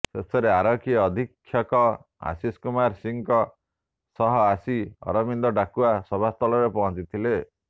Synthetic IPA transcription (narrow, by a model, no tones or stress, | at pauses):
sesɔɾeaɾɔkiɔːd̪ʱikʰːjɔkɔ | a̰siskumaɾsiŋkɔ | sɔɦɔasiɔ̰ɾɔmind̪ɔɖakuasɔbʱast̪ʰɔlɔɾepɔɦɔ̃t͡ʃit̪ʰile